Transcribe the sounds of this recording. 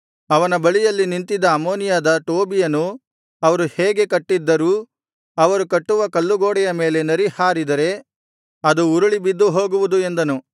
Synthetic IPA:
ɐʋɐnɐbɐɭijɐlːinint̪id̪ɐːmoːnijaːd̪ɐʈoːbijɐnu | ɐʋɐɾuheːɡe̞kɐʈːid̪ːɐɾuː | ɐʋɐɾukɐʈːuʋɐkɐlːuɡoːɽɛjɐme̞ːle̞nɐɾihaːɾid̪ɐɾe̞ | ɐd̪uːɾuɭibid̪ːuɦo̞ːɡuʋud̪ue̞nd̪ɐnu

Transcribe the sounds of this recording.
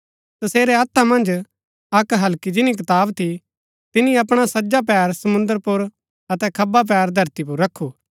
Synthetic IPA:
t̪ɐseːɾeɐt̪ʰːamɐ̃nd͡ʒ | ɐkɦɐlkid͡ʒɪnik̬ɪt̪aːbt̪ʰi | t̪ɪnĩɐp̬ɽ̃asɐd͡ʒap̬ɛːɾsɐmʊ̃nd̪əɾpʊɾ | ɐt̪ɛkʰɐbap̬ɛːɾd̪ʱɐɾt̪ip̬ʊɾːɐkʰːuː

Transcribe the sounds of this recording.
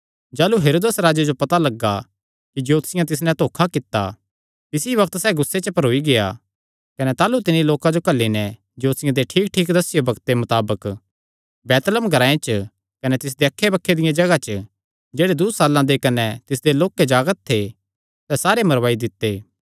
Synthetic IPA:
d͡ʒaːluɦeːɾoːd̪esɾaːd͡ʒed͡ʒopɐt̪alɐɡːa | kid͡ʒɐoːt̪sɪjãt̪ɪs̬nɛ̃t̪oːkʰakɪt̪ːa̰ | t̪ɪsiβɐk̚t̪sɛːɡʊsːet͡ʃəpɐɾoːiɡeja̰ | kɐnɛt̪aːlut̪ɪniloːkãd͡ʒokɐlːinɛ̃ | d͡ʒoːt̪sɪjãd̪eʈʰiːk̚ʈʰiːkd̪ɐsɪjobɐkt̪̚ːemʊt̪aːbək | bɛːt̪ləmɡʱɐɾãːẽt͡ʃə | kɐnɛt̪ɪs̬d̪eɐkʰːebɐkʰːed̪ɪjãd͡ʒɐɡat͡ʃə | d͡ʒeːɽed̪ʊsaːlːãd̪ekɐnɛt̪ɪs̬d̪eloːkːed͡ʒaːɡət̪̚ʰːe | sɛsaːɾemɐɾʋaːid̪ɪt̪ːeː

